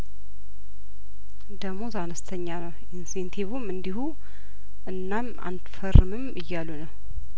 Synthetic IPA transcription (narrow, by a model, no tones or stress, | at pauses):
d̪əɡmo̞zanəst̪ʰəɲːanəw | insent̪ʰiβumɨnd̪ihu | ʔɨnːama̰nt̪fərːɨmɨmɨjːalːunəw